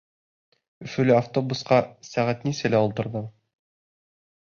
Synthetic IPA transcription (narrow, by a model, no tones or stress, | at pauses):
ɵ̆fɵ̆lɘaft̪o̞busqɑsæʁæt̪nisɘlæulˠt̪ɤ̆ɾðɤɴ